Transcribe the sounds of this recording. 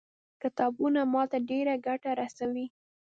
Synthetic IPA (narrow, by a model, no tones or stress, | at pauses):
kɪt̪ɑbunamɑt̪aɖeɾaɡaʈaɾasawi